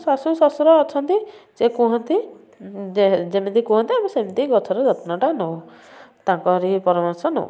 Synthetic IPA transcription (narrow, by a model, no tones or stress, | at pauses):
sasusɔsuɾɔːt͡ʃʰɔnt̪isekũɦɔnt̪i | d͡ʒemit̪ikũɦɔnt̪iamisemit̪iɡɔt͡ʃʰɔɾɔd͡ʒɔt̪nɔʈanɔw | t̪aŋkɔɦɔɾipɔɾɔmɔɾsɔno̰w